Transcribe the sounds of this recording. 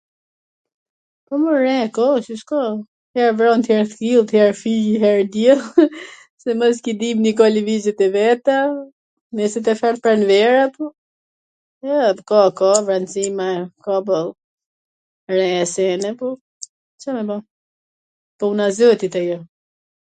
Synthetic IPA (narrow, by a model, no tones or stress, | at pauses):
pɔməɾɛ̃kɔsiskɔ | hɛɾvɾɔnt̪ʰjɛɾt̪kilˠt̪jɛɾfijiɦɛɹd̪jɛl | sɛmɔs̬kid̪imnikɔlivizɛt̪ɛvɛt̪a | mɛsit̪ɛfɛɾt̪̚pɾanvɛɾapɔ | ɛkɔkɔvɾansimakɔbɔlˠ | ɾɛ̃ɛsɛnɛpɔ | t͡ʃamɛbɔ | pɔunazøt̪it̪ɛjɔ